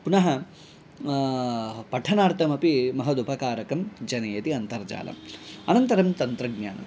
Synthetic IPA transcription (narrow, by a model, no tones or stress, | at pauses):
punɐɦɐ | pɐʈʰɐnaːɾt̪ʰɐmɐpimɐɦɐd̪upɐkaːɾɐkɐmd͡ʒɐnɐjɐt̪iɐnt̪ɐɾd͡ʒa̰ːlɐ̰mɐnɐnt̪ɐɾɐmt̪ɐnt̪ɾɐɡɲa̰ːnɐ̰m